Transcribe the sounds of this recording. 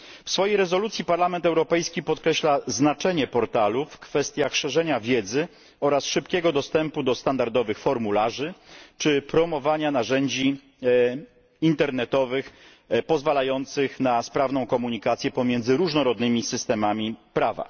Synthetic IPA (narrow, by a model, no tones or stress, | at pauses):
fsfɔjejɾɛzɔlut̪sʲjipaɾlamɛnt̪ɛwɾɔpɛjskʲipɔt̪kɾɛɕlaznat͡ʂɛɲɛpɔɾt̪alufkfɛst̪ʲjaxʂɛʐɛɲavʲjɛd̪zɘ | ɔɾasʂɘpkʲɛɡɔd̪ɔst̪ɛmpud̪ɔst̪and̪aɾd̪ɔvɘxfɔɾmulaʐɘt͡ʂɘpɾɔmɔvaɲanaʐɛɲd͡ʑi | int̪ɛɾnɛt̪ɔvɘx | pɔzvalajɔnt̪sɘxnaspɾavnɔ̃w̃kɔmuɲikat̪sʲjɛpɔmʲjɛnd̪zɘɾuʐnɔɾɔd̪nɘmʲisɘst̪ɛmamʲipɾava̰